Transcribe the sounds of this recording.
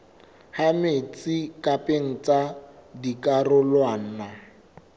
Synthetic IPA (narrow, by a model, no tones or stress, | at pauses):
hamet͡sʼikʼapʼeŋ̩t͡sadikʼarʊlwan̩na